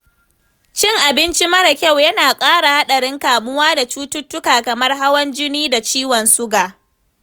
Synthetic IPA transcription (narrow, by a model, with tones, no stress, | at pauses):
t͡ʃɪ˦˨ŋʔa˨bɪ˦nt͡ʃi˦mɐ˦ɽa˨kʲa˦˨wjɐ˦naː˨kʼaː˦ɽa˨ha˦ɗɐ˨ɽɪ˦ŋkaː˨mʊ˦waː˦da˨t͡ʃuː˦tʊ˦tːʊ˦kaː˨kɐ˨mɐ˦rɦa˦wɐ˦nd͡ʒɪ˦niː˦da˨t͡ʃiː˦wɐ˨nsʊ˦ɡaː˨